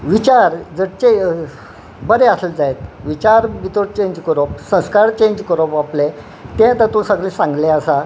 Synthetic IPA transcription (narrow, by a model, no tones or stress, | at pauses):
ʋit͡ɕaɾd͡zəɽt͡ɕe | bəɾeasəld͡zajet̪ʋit͡ɕaɾʋit̪oʈt͡ɕẽɲd͡ʑkəɾopsə̃skaɾt͡ɕẽɲd͡ʑkəɾopaple | t̪ɛ̃t̪at̪ũsəɡlesãŋɡleasa